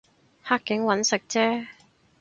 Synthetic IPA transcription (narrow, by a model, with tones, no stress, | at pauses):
haː˥kːɪ˨˥ŋwɐ˨˧˥nsɪ˨k̚t͡sɛː˥